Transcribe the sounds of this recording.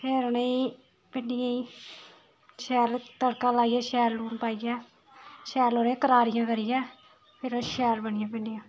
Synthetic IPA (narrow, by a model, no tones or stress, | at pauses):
pʰeːɾneĩː | pɪɳɪjãːĩː | ʃɛːlt̪əɽkaːlaːijɛːʃɛːlːuːnpaːijɛː | ʃɛːloːɾẽːkəɾaːɾɪjãːkəɾɪjɛː | pʰɪɾoʃɛːlbənɪjãːpɪɳɖɪjãː